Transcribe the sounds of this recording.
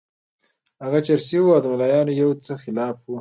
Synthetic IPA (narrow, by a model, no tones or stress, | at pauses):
haɣat͡ʃaɾsiwuawd̪əmalɑjɑnojawt͡səxɪlɑːfwu